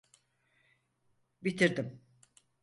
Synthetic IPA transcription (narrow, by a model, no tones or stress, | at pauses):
bit̪ʰiɾd̪im